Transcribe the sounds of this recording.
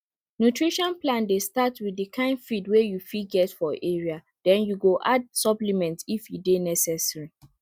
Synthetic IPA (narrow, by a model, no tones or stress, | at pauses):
nutʰɹiʃɔ̃nplãndestatwiddikʰãɪ̃ndfidwejufiɡɛtfɔʔeɹia | d̥ɛ̃njuɡoʔad̚sɔplimɛ̃ntifjudenɛsɛsɹi